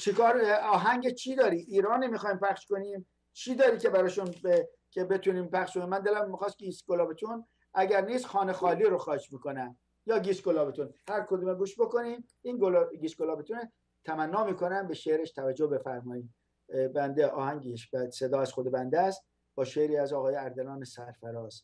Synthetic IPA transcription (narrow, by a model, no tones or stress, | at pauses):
t͡ʃʰekɒːɾɒːɦæɲɟet͡ʃʰiːd̪ɒːɾiːʔːɾɒːnimiːxɒːjimpʰæxʃko̞niːm | t͡ʃʰiːd̪ɒːɾiːce̞bæɾɒːʃunbe | kʰebe̞t̪ʰuːniːmpæxʃkoniːmːænd̪elæmːixɒːst̪iːsɡolɒːbet̪ʰun | ʔæɟæɾniːsxɒːne̞xɒːliːɾoxɒːhed͡ʒmiːkonæm | jɒːɡisɡolɒːbet̪unhæɾkʰod̪uːmeɡuːʃbo̞ko̞niːm | iːnɡolɡiːsɡolɒːbet̪ʰune | t̪ʰæmænːɒːmiːko̞næmbeʃeʔɾeʃt̪ʰævæd͡ʒːohbe̞fæɾmɒːiːm | bænd̪eʔɒ̰ːhæŋɟiʃbæse̞d̪ɒːæz̥xod̪ebænd̪æst̪̚ | b̥ɒːʃeɾiːæzɒːɣɒːjeæɾd̪elɒːnesæɾfæɾɒːz